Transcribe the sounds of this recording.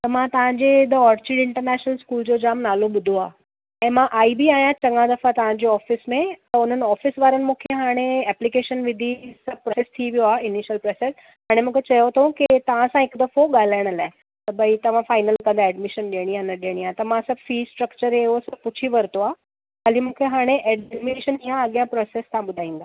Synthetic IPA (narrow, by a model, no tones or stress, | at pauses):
t̪ɐmãt̪ɐʋ̤ãɲd͡ʑed̪oɔːɾt͡ɕiːɖɪ̃ɳʈəɾnɛːʃnəlskuːld͡ʑod͡ʑaːmnaːloɓʊd̪ʱoaː | ɛ̃ːmãʔaːibiaːɦijãt͡ɕɐ̃ŋɡãd̪ɐfat̪ɐʋ̤ãɲd͡ʑeɔːfɪsmẽt̪ɐʊn̤ənɪ̆ɔːfɪsʋaːɾənɪ̆mũːkʰeɦaːɽ̃eɛːplikeːʃənʋɪd̪ʱisɐb̚ʱpɾsest̪ʰiʋijoaːɪniʃjəlpɾeːses | ɦaːɽ̃emũːkʰet͡ɕɐjot̪ʰũkit̪ɐʋ̤ãsãɦɪkd̪ɐfoɠaːl̤aːɪɽ̃əlaːɪ | t̪ɐbɐit̪ɐʋ̤ãfaːɪnəlkɐ̃nd̪aɛːɖmɪʃənɗiəɽ̃ianəɗiəɽ̃iaːt̪ɐmãsɐbʱfiːsʈɾəkt͡ɕəɾeɦosɐb̚pʊt͡ɕʰiʋɐɾt̪oaː | kɐlimũːkʰeɦaːɽ̃eʔɛɖɛɖmɪeʃənijãɐɠijãpɾɔːseːskʰãɓʊd̪ʱaːĩːn̆d̪a